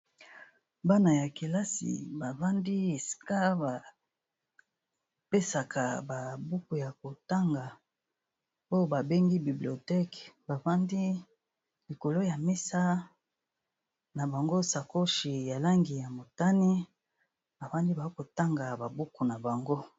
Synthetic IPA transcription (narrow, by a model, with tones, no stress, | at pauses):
ba˦na˨ja˨ki˨la˦sḭ˨ba˨va˦ndi˦e˨si̥˨ka˦ba˨ | pe˦sa˨kʰa˨ba˨bu˦ku˨ja˨ko˨ta˦ŋɡa˨ | o˦jo˦ba˨be˦ŋɡi˦bi˨bli˨o˨tɛ˦kba˨va˦ndi˦ | li˨ko˨lo˦ja˨mi˦sa˦ | na˨ba˨ŋɡo˦sa˨ko˦ʃi˨ja˨la˦ŋɡi˨ja˨mo˨ta˦ni˦ | ba˨va˦ndi˦ba˨o˦ko˨ta˦ŋɡa˨ba˨bu˦ku˨na˨ba˨ŋɡo˦